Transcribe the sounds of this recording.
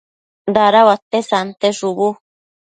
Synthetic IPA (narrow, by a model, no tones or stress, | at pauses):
d̪aɾawat̪esant̪eʐuβu